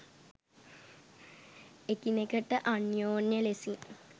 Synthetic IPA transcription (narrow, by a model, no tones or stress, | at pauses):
ekinekəʈəʔanjoːnjəlesiŋ